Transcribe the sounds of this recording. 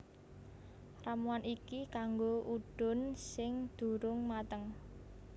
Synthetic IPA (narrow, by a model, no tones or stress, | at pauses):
ramuanikikaŋɡoʔuɖ̥ʊ̤nsɪŋd̪̥ṳɾʊŋmat̪əŋ